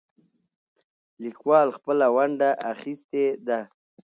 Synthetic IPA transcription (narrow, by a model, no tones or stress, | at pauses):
likwɑlxpəlawaɳɖaʔaxist̪ed̪a